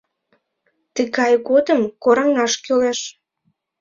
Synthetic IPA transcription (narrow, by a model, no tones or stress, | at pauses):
t̪əɣɑjɣod̪əmkoɾɑŋɑʃkøleʃ